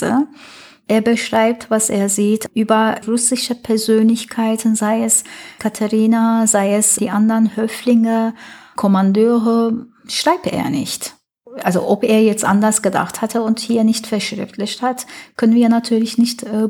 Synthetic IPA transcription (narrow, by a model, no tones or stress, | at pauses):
ə̰ | ʔeːɐbəʃʁ̥aɪp̚tv̥asʔeːɐziːtʰʔyːbɐʁʊsɪʃəpʰɛɐzøːnlɪçkʰaɪtn̩zaɪɛskʰatʰaʁiːnazaɪɛsd̥iːʔandɐʁənhœflɪŋəkʰɔmandøːʁə | ʃʁ̥aɪp̚tḛːɐnɪ̰çt | ʔalzo̰ʔɔpʔeːɐjɛt͡stʔa̰ndɐsɡ̥əda̰χthatʰəʊnthiːɐnɪçtfɛɐʃʁ̥ɛ̰ftlɪçthatkʰœnənviːɐnatʰyːɐlɪçnɪçtː